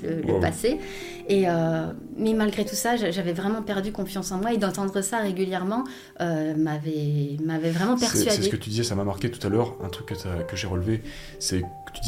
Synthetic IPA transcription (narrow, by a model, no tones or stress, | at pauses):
lələ̰pa̰se | eømɛmalɡʁet̪usaʒaʒavɛvʁɛmɑ̃pɛʁd̪ykɔ̃fjɑ̃sɑ̃mwaed̪ɑ̃t̪ɑ̃d̪ʁəsaʁeɡʲyljɛʁmɑ̃ | ømavɛmavɛvʁɛmɑ̃pɛʁsyadsɛekət̪yd̪izɛsamamaʁkʲet̪u̥t̪alœʁɛ̰̃t̪χykːət̪ʰakəʒeʁəlve | sɛkət̪yd̪